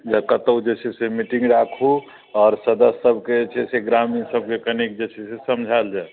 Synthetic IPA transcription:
d͡ʒəkət̪əwd͡ʒet͡ʃʰɛsemiʈĩŋɡɾakʰu | ɔːɾsəd̪əsːəbked͡ʒet͡ʃʰɛseɡɾaminsəb̚kekənik̚d͡ʒet͡ʃʰɛsesəmd͡ʒʱald͡ʒae

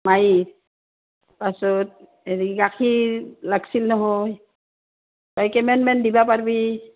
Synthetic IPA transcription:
mai | pasɔt̚ | eɹiɡakʰilaɡsilnɔɦɔj | pajkɛmɛnmɛntdibapaɹbi

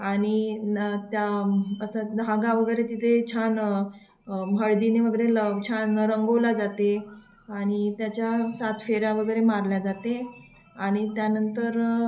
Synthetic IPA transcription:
aɽ̃it̪jaəsad̪ɦaɡãʋəɡəjɾet̪it̪ʰet͡ɕʰan | bʱəɭd̪ineʋəɡɾeləʋt͡ɕʰanɾəŋɡəʋlad͡zat̪e | aɽ̃it̪jat͡ɕjasat̪feɾaʋəɡəjɾemaɾljad͡zat̪e | aɽ̃it̪janənt̪əɾ

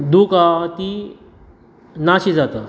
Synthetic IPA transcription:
d̪ukat̪i | naɕid͡zat̪a

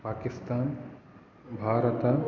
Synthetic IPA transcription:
paːkɪst̪aːn | bʱaːɾɐt̪a

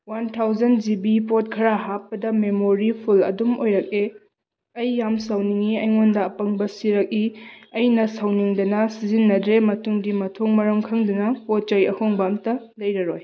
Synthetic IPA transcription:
wantʰawzɐnzibipot̚kʰɐɾaɦapːɐdɐmemoɾipʰulɐ̰dumojɾɐk̚e | ɐjːamsawniŋiɐjŋondɐɐpɐŋbɐsiɾɐk̚iɐjnɐsawniŋdɐnɐsizinːɐdɾemɐtuŋdimɐtʰoŋmɐɾɐŋkʰɐŋdunɐpot̚t͡ʃɐjɐhoŋbamtɐ | lɐjɾɐɾoj

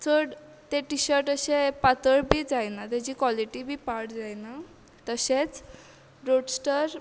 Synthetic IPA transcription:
t͡səɽ | t̪eʈiɕəɾʈəɕepat̪əɾbʱiːd͡zajnat̪ad͡ʑiːkʋɔliʈibʱiːpaɽd͡zajna | t̪əɕet͡s | ɾoɖsʈəɾ

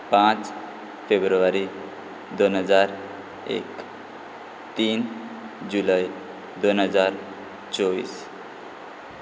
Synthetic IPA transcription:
pãt͡s | fʰebɾuʋaɾi | d̪onɦəd͡zaɾ | ḛk | t̪in | d͡ʑulaj | d̪onɦəd͡zaɾ | t͡sɔʋḭs

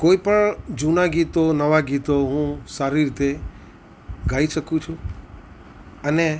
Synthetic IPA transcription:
koipəɳd͡ʒunaɡit̪onəʋaɡit̪oɦũsaɾiɾit̪e | ɡʱaiʃəkũt͡ʃʰũ | əne

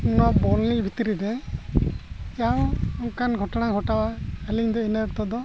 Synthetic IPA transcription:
unɔbɔlnibʱit̪iɾid̪ɛ | awuŋkanɡʱɔʈɔɽ̃aɡʱɔʈawaeliŋd̪ɔinɛɾt̪ɔd̪ɔ

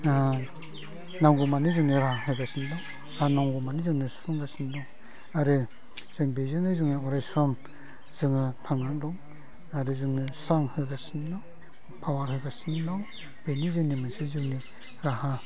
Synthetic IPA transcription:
naŋɡumanizɯŋniɾahaɦɯɡasindɔŋ | anawŋɡumanizɯŋnɯspuŋɡasindɔŋ | aɾɯ | z̥ɯŋbezɯnɯjzɯŋnɯɔɾajsɔm | z̥ɯŋatʰaŋːaŋdɔŋ | aɾɯzɯŋnisaŋhɯɡasinnaw | pʰawaɾhɯɡasinnaw | b̥enizɯŋnimɯnsizɯŋni | ɾaɦa

